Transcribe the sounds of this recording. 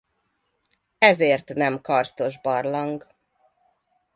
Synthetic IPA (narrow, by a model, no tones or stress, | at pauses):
ɛzeːrt̪nɛmkɒrst̪o̞ʒbɒrlɒŋɡ